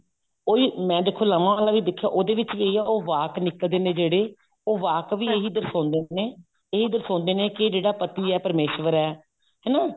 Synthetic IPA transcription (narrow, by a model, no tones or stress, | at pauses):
oːiːmɛ̃ːd̪eːkʰːoːlaʋãːalãːʋiːd̪ɪkʰːjaːʔoːd̪eːʋɪt͡ʃʋiːeiɛːoːʋaːknɪkəld̪eːneːd͡ʒeːɽeː | oːʋaːkʋiːeːɦiːd̪əɾsõːnd̪eːneː | eːiːd̪əɾsõːnd̪eːneːked͡ʒeːɽaːpət̪iːɛːpəɾmeːʃʋəɾɛː | ɦɛːnaː